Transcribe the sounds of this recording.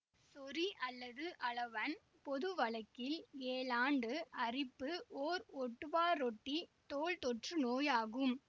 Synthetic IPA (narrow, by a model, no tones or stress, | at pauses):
sɔɾiʔɐlːɐðɯʔɐɭɐʋɐn | pɔðɯʋɐɭɐkːɪleːlaːɳɖɯʔɐrɪpːɯoːɾɔʈːɯʋaːɾɔʈːit̪oːɭt̪ɔʈrɯnoːjaːɣɯm